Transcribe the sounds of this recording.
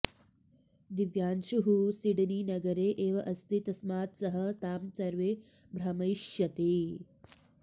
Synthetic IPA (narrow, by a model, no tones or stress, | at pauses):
d̪iʋjaːnʃuɦusiɖniːnɐɡɐɾeːʔeːʋɐʔɐst̪ʰit̪ɐsmaːt̪sɐɦɐ̆t̪aːmsɐɾʋeː | bɾɐmɐjʃjɐt̪e